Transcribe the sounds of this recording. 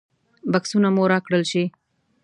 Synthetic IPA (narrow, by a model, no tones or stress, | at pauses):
baksunamoɾɑkɽəlʃi